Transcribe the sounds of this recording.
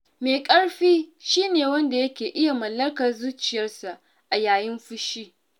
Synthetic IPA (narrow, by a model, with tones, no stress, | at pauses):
meː˨kʼɐ˦ɽɸiː˦ʃiː˦neː˨wɐ˦nda˨jɐ˦kʲeː˨ʔɪ˦ja˨mɐ˨lːɐ˦kɐ˨rzuː˦t͡ʃɪ˨jɐ˦rsa˨ʔ | ʔa˨jaː˨jɪ˦mɸʊ˦ʃiː˦